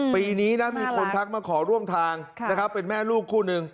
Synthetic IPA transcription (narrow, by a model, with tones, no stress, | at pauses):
piː˧niː˦˥na˦˥miː˧kʰo˧nt̪ʰa˦˥k̚maː˧kʰɔː˩˦ɾu˥˩əmt̪ʰaː˧ŋna˦˥˩kʰa˦˥pːe˧nmɛː˥˩luː˥˩kʰːuː˥˩nɯ˧ŋ